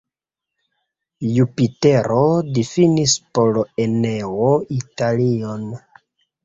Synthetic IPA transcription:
jupite̞ɾodifinispolene̞oitalion

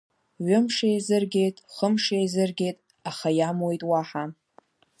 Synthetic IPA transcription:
ɥʊmʂejzɨrɡʲe̞jtʼχəmʂejzɨrɡʲe̞jtʼ | aχajamwojtʼwaħa

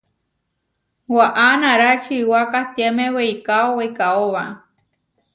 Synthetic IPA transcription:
waʔanaɾat͡ʃiwakat̪emẽweikaoweikaoβa

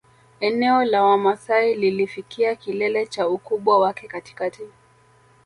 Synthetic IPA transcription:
ɛnɛɔlawamasaililifikiakilɛlɛt͡ʃaukuɓwawakɛkati̥kati

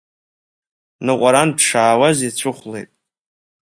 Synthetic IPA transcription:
nɨqʷʼaɾandʂaːwazit͡ɕʷʰɨχʷlejtʼ

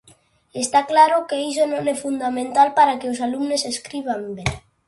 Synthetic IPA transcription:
est̪aklaɾokeis̬onõŋɛfund̪amẽnt̪alpaɾakeosalumneseskɾiβ̞ambe

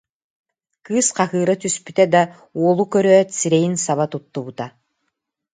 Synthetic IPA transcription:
kɯːsqaɦɯːɾat̪yspyt̪ɛd̪a | uɔlˠukœɾœt̪siɾɛjinsaβat̪ut̪ːubut̪a

